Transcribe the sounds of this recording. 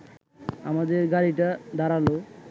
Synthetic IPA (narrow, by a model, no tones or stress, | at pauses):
a̰mad̪eɾɡaɽiʈad̪aɾalo